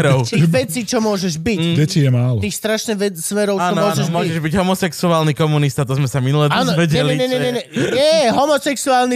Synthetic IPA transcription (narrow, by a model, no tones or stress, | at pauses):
ɾɔʊt̪iːɣʋɛt͡siːt͡ʃɔmʊɔʒɛʒbidɛtijɛmaːlɔt̪iːxst̪ɾaʃɲɛʋɛsʋɛɾɔʊaːt͡ʃːɔmɔʒɛʒmɔiʒɛʒbiɟɦɔmɔsɛksuaːlnikɔmunist̪at̪ɔzmɛsaminulɛaːnɔʋɛɟɛɛlɛiɲɛɲɛɛɲɛjɛɦɔmɔsɛksuaːlni